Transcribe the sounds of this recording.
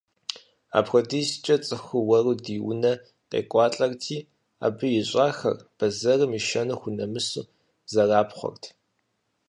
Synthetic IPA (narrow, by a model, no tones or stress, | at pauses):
a̰ːpxʷɔdiːst͡ʃʼɐt͡sʼɨxʊwɐrudiːwʊ̰nɐ | qḛːkʷʼɑːɬʼɐrtʰiː | a̰ːbɨjɪɕʷʼaːxɐ̰rb̥ɐzɐrɨmiʃɐnɨxʷʊnɐmɨsṵː | zɐraːpχʷɔ̰rtʰ